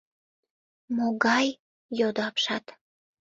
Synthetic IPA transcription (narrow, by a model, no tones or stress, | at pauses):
moɣɑj | jod̪oɑpʃɑt̪